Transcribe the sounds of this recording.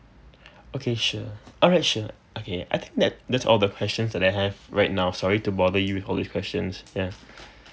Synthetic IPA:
okʰeʃəɔlɹaɪtʃə | ʔokʰea̰ɪt̪ʰɪ̃ŋk̚d̪ɛtd̪ɛtsɔ̰lˠd̪əkʰwɛst͡ʃə̃nsdɛtaɪɦɛvɹaɪt̚naʊsɔɹitubɔðəjuwɪθɔlˠd̪iskwɛst͡ʃə̃nsja

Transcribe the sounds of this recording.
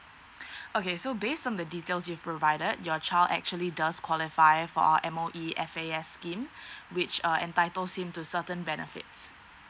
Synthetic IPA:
ʔokesobestɔ̃ndəditelsjuvpɹovaɪdədjɔt͡ʃaɪlˠdɛ̰k̚t͡ʃuəlidaskʰwɔlɪfaɪfɔ̰a̰əʔɛ̃moʔiɛfeɛsːkĩmwɪt͡ʃʌʔɛ̰̃ntaɪtəlshɪ̃mtusətə̃nbɛnə̰fɪ̰ts

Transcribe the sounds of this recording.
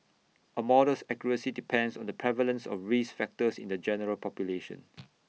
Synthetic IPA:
ʔəmɔɾəsɛkjɔɹəsidipʰɛ̃ndsɔ̰̃ndəpʰɹɛvələ̃nsɔ̰fɹisfɛk̚təsḭ̃ndəd͡ʒɛnəɹəlpʰɔpjuleʃə̰̃n

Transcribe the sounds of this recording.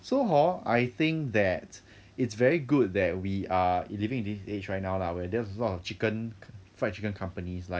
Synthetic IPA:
soɦɔajθɪ̃ŋk̚ðɛt | ɪtsvɛɹiɡud̚ðɛt̚wialivɪ̃ŋɪ̃ndiset͡ʃɹaɪt̚naʊlawɛdɛəlɔtɔft͡ʃikə̃nfat͡ʃikə̃nkʰãmpənislaɪk̚

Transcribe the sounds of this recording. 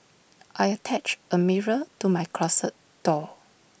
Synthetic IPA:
ʔajətʰɛt͡ʃəmiɹətumajkʰlɔsət̚d̥ɔ

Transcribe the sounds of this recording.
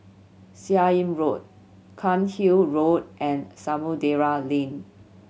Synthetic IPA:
siaĩmɹot̚ | kʰãnhilɹot̚ʔɛ̃nsamudeɹalĩn

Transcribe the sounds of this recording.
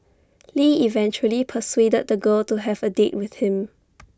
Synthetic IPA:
liivɛ̃nt͡ʃuəlipʰəswedəd̚dəɡəltuɦɛvədet̚wɪθhɪ̃m

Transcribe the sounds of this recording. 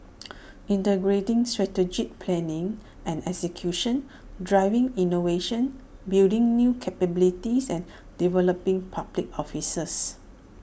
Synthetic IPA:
ĩntəɡɹetɪ̃ŋstɹɛtəd͡ʒik̚pʰlɛ̃nɪ̃ŋ | ʔɛ̃nɛksəkʰjuʃə̃n | dɹaɪvɪ̃ŋinoveʃə̃nbildĩŋnjukʰɛpəbilitisɛ̃n | divɛləpĩŋpʰablik̚ɔfisəs

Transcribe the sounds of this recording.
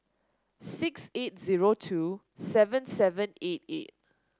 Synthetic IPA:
sɪkset̚ziɹotʰu | sɛvə̃nsɛvə̃net̚ḛt̚

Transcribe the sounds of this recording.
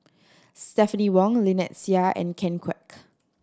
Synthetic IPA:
stɛfəniwɔ̃ŋlinɛtsiaʔɛ̰̃nkʰɛ̃nkʰwɛ̰k

